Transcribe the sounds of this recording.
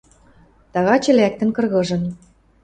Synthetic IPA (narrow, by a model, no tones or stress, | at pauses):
t̪ɑɣɑt͡ɕɘ̆læk̚t̪ə̆nkɤ̆rɣɤ̆ʒɤ̆n